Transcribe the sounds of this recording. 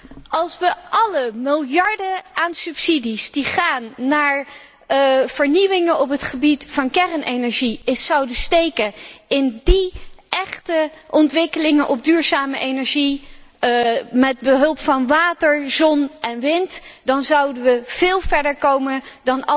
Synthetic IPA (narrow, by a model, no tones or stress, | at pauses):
ɑlˠsʋəʔɑləmɪlˠjɑɹdəaːnsɵpsidisdiχaːnːaːɹ | v̥əɹniʋɪŋənɔpɦətχəbitfɑnkɛrənʔejnɛɹʒiɪsɑwdəstejkəɪndiʔɛχtəʔɔntʋɪkəlɪŋənʔɔb̚dyːɹzaːməʔejnɛɹʒi | mɛd̚bəɦɵlˠpfɑnʋaːtəɹzɔnʔɛnʋɪntdɑnzʌwdənʋəv̥ɪːlˠvɛɹdəɹkowməndɑn